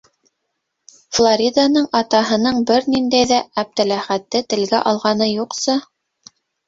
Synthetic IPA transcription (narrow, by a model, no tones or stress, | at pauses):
flˠoɾʲid̪anɤɴɑt̪ɑɦɤ̆nɤɴbɘɾnind̪æjðææb̚t̪ælæχæt̪ːɘt̪ɘ̆lɡæʔɑlˠʁɑnɤjuqsɤ